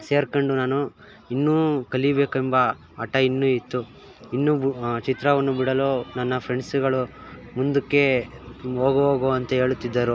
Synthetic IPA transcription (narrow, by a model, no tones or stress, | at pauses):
se̞ːɾkɐɳɖunaːnu | inːuːkɐlibeːkumbɐː | ʈɐinːuit̪ːu | inːut͡ʃit̪ɾɐʋɐnːubiɽɐloːnɐnːɐpʰɾeɳɖsuɡɐɭumund̪ukːe̞ | oːɡɐoːɡoɐnt̪ɐɦe̞ːɭut̪ːid̪ːɐɾu